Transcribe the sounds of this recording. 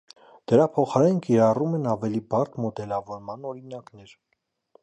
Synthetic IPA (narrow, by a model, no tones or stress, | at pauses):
d̪̥əɾɑpʰɔχɑɾɛnkiɾɑrumɛnɑvɛlibɑrt̪ʰmɔd̪ɛlɑvɔɾmɑnɔɾinɑknɛɾ